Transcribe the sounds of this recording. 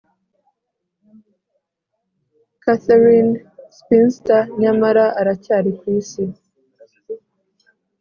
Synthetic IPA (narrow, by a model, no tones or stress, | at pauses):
kaθeɾinspinstaɲamaɾaʔaɾacaːɾikwiːsi